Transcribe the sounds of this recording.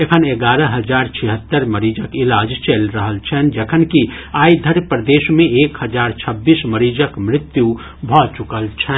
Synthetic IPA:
ekʰəneɡaːɾəɦəd͡ʒaːɾt͡ʃʰiɦət̪ːəɾməɾiːd͡ʒəkɪlaːd͡ʒt͡ʃelɾəɦəlt͡ʃʰɛnd͡ʒekʰənkiaːid̪ʱəɾpɾəd̪eːʃmẽeːkhəd͡ʒaːɾt͡ʃʰəbːiːsməɾiːd͡ʒəkmɾɪt̪ju | bʱɔːt͡ʃʊkəlt͡ʃʰɛ

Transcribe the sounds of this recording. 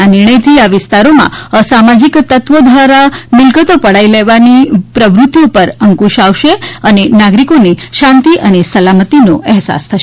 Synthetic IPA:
anɪɾɳ̃əjt̪ʰiaʋɪst̪aɾomã̰samad͡ʒikt̪ət̪ʋəd̪ʱʋaɾamɪlkət̪opəɽaileʋanipɾəʋɾut̪ːjopəɾəŋkuʃaʋʃeənenaɡɾikoniʃãnt̪iʔənesəlamət̪inoʔɛɦsa̰st̪ʰəʃe

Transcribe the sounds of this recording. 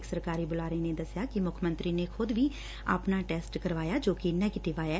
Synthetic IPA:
ksəɾkaːɾiːbʊlaːɾəiːneːd̪əsjaːkɪmʊkʰmənt̪ɾiːneːkʰʊd̪ʋiː | a̰ːpnaːʈɛːsʈkəɾʋaːjaːd͡ʒoːkinɛːɡeːʈɪʋaːjaː

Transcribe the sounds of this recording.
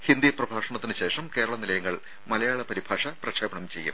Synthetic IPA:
hind̪iprɐbʱaːʂɐɳɐt̪ːinɨɕe̞ːʂɐmke̞ːɾɐɭɐnilɐjɐŋːɐɭ | mɐlɐjaːɭɐpɐɾibʱaːʂɐprɐkʂɐːbɐɳɐmt͡ɕe̞jːṵm

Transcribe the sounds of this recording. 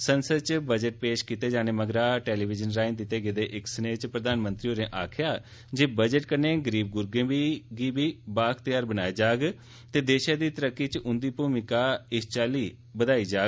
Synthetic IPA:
sənsəd̪t͡ʃbəd͡ʒəʈ̚peːʃkiːt̪eːd͡ʒaːneːməɡɾaːʈeːliːbɪd͡ʒənɾaːɪnd̪ɪt̪eːɡeːd̪eːʔɪksəneːt͡ʃpɾəd̪aːnmə̃nt̪ɾiːoːɾẽːʔaːkʰjaː | d͡ʒeːbəd͡ʒəʈkəɾneːɡəɾiːb̚ɡʊɾɡẽːbiːɡiːbiːbaːkʰt̪ɪjaːɾbənaːeːd͡ʒaːɡ | t̪eːd̪eːʃãːd̪iːt̪əɾəkːiːt͡ʃʊnd̪iːpuːmɪkaːɪst͡ʃaːliː | bəd̪aːiːd͡ʒaːɡ

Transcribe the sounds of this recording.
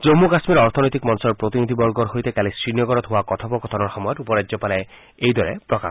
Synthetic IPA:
d͡ʒomːukasmiɾɔɾt̪ʰɔnojt̪ikmɔnsɔɹpɹot̪inid̪ʱibɔɾɡɔɾɦojt̪ekalisɹinjɔɡɔɾɔt̪ɦoakɔt̪ʰɔpɔkɔt̪ʰɔnɔɹxɔmɔjɔtupɔɾaɔpala | ejd̪ɔɹɛ̰pɹɔka̰

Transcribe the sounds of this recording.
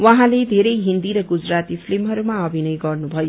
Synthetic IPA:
waɦãled̪ʱeɾʌjɦind̪iɾʌɡud͡zrat̪ipʰlimɦʌɾumaʌbʱinʌjɡʌrnubʱʌjo

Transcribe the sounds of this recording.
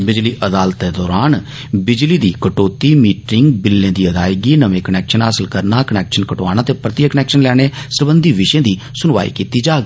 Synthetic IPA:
bɪd͡ʒliːʔəd̪aːlət̪ːeːd̪ɔːɾaːn | bɪd͡ʒliːd̪iːkəʈoːt̪iːmiːʈɪŋɡbɪlːẽːd̪iːəd̪aːɪɡiːnəʋẽːkənɛːkʃənɦaːsɪlkəɾnaːkənɛːkʃənkəʈoaːñaːt̪eːpɾət̪ɪjəkənɛːkʃənlɛːɽ̃eːsəɾbənd̪ʱiːʋɪʃẽːd̪iː | sʊnʋa̰ːḭːkiːt̪iːd͡ʒaːɡiː

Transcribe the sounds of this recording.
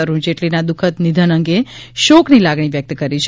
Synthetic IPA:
əɾũd͡ʒeʈlinad̪ukʰət̪nid̪ʱənəŋɡeʃoknilaɡɳ̃iʋjək̚t̪kəɾit͡ʃʰ

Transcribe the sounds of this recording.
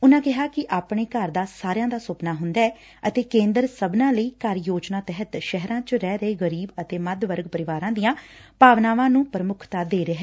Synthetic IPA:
ʊnãːkɪɦaːkɪʔaːpɳeːkəɾd̪aːsaːɾjãːd̪aːsʊpnaːɦʊnd̪aːɛː | ət̪eːkẽːnd̪əɾsəbnãːləiːkəɾjoːd͡ʒnaːt̪ɛɦət̪ʃɛɦɾãːt͡ʃɾɛːɾəeːɣəɾiːbət̪eːməd̪ʋəɾɡpəɾɪʋaːɾãːd̪ijãːpaːʋnaːʋãːnũːpɾəmʊkʰt̪aːd̪eːɾəɦɛː

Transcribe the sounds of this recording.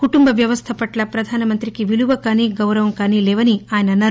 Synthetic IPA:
kuʈumbɐʋjɐʋɐst̪ʰɐpɐʈlɐpɾɐd̪ʱaːnɐmɐnt̪ɾikiʋiluʋɐkaːniːɡɐwɾɐʋɐmkaːniːlɛːʋɐniaːjɐnɐnːaːɾu

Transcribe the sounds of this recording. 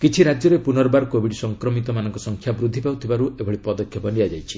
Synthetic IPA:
kit͡ʃʰiɾad͡ʒjɔɾepunɔɾbaɾkobʱiɽsɔŋkɾɔmit̪ɔmanɔŋkɔsɔŋkʰjabɾud̪ʱːipawt̪ʰibaɾuʔebʱɔɭipɔd̪ɔkʰjɔpɔniad͡ʒajt͡ʃʰi̥

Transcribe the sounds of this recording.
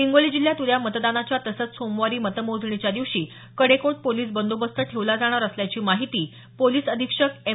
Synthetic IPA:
iŋɡolid͡ʑiljat̪uljamət̪d̪anat͡ɕjat̪əsət͡ssomʋaɾiːmət̪əmod͡zʱɳit͡ɕjad̪iʋʂiː | kəɽekoʈ̚poliːs̬bənd̪obəst̪ʰəʈʰeʋlad͡zaɽ̃aɾəsljat͡ɕiːmaɦit̪iː | poliːsəd̪ʱikʂəke

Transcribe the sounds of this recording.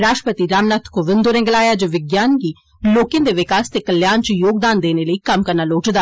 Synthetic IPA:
ɾaːʃʈəpət̪iːɾaːmnaːt̪ʰkoʋɪ̃nd̪oɾɛ̃ːɡəlaːjaːd͡ʒoʋɪɡjaːnɡiː | loːkjãːd̪eːʋɪkaːst̪eːkəljaːnt͡ʃəjoːɡ̚d̪aːnd̪eːneːləiːkəmkəɾnaːloːʈd̪aː

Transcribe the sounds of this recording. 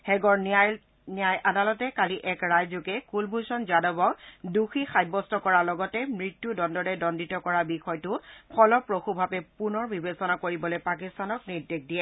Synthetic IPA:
hɛɡɔɹna | nijajʔadalɔtɛkaliʔɛkɹajzukɛkulbʱusɔnzadɔbɔkduxixajbɔstɔkɔɹalɔɡɔtɛmɹitːudɔndɔɹɛdɔnditɔkɔɹabixɔjtʊpʰɔlɔpɹoxubʱabɛpunɔɹbibesɔnakoɹibɔlojpakistanɔkniɹdekdijɛ

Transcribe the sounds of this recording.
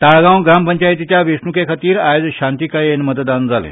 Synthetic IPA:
t̪aɭɡãwɡɾampəɲt͡ɕajet̪it͡ɕ̪jaʋesnukekʰat̪iːɾajod͡zɕant̪ikajenmət̪d̪and͡zʱalḛ̃

